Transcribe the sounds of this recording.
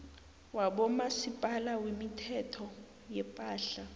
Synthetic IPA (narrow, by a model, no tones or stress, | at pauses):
waɓɔmasipʼalawimitʰɛtʰɔ | jɛpʼaːɬa